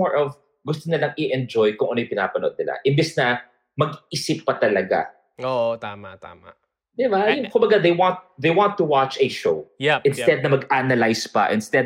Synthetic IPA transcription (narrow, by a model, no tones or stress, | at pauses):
oɹʔov | ɡʊst̪onɪlaŋʔɪʔɛnd͡ʒojkʊŋʔɐnojpɪna̰ːpɐno̞̰d̪̚nɪla̰ʔɪnbɛsnɐ | mɐɡɪsɪpːɐt̪ɐlɐɡa̰ | oːʔot̪aːmat̪a̰ːma̰ʔ | d̪ɪbajʊnkʊmbɐɡad̪ejwant̪̚d̪ejwant̪ːʊwat͡ʃɛʃowjʔɪ̃nsɛd̪̚nɐmɐɡʔanɐlajspɐ̰ʔɪnst̪ɛd̪̚